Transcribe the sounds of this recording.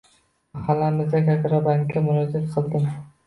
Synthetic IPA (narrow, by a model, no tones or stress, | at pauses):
halamɪzd̪akʲʰakʲɾɒbaŋʲːamʊɾɒd͡ʒat̪qʰɨlˠd̪ɪm